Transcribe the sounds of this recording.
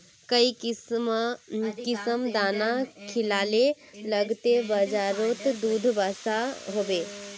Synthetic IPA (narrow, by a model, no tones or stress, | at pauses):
kəi | kɪsəmd̪aːnakʰɪlaːle | ləɡt̪ebəd͡ʒaːɾoːt̪d̪uːd̪ʱbasaɦoːbeː